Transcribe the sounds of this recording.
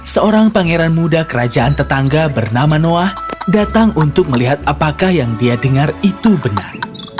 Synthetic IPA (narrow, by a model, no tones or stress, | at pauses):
səoɾaŋpaŋeɾanmudakəɾad͡ʒaʔant̪ət̪aŋɡabərnamanoahdat̪aŋunt̪ʊk̚məliɦat̪̚apakahjaŋdiadəŋarit̪ubənar